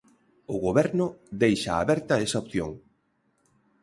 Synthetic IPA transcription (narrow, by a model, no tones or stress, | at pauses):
ʊɣoβɛɾnʊðejʃaaβɛɾt̪ɐesaop̚θjo̰ŋ